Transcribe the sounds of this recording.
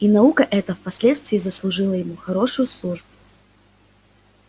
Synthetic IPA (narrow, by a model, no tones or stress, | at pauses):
inɐukəʔɛt̪əfpɐsʲlʲe̞t̪st̪vʲɪːzəslˠʊʐɨlˠəjɪmuxɐɾo̞ʂʊjʊslˠuʐbʊ